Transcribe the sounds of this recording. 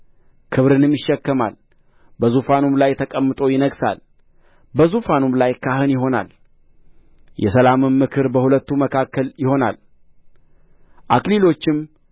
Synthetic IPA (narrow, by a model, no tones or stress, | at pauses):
kʰɨβɾɨnɨmjɪʃːɛkːəma̰l | bəzufanumlajt̪ʰəkʼəmːɨt̪ʼo̞jɪnəɡsa̰l | bəzufanumlajkʰaɦɨnjɪɦo̞na̰l | jʔɛ̰səlamɨmːɨkʰɨɾbəhulət̪ːuməkʰakːəljɪho̞na̰l | ʔakʼlilo̞t͡ʃːɪm